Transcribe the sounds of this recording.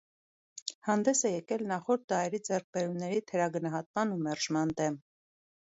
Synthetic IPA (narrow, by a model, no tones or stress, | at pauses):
hɑnd̪ɛsɛjɛkɛlnɑχɔɾt̪̚d̪ɑjɛɾid͡zɛɾk̚ʰbɛɾumnɛɾit̪ʰɛɾɑɡənɑɦɑt̪̚mɑnumɛɾʒmɑnd̪ɛm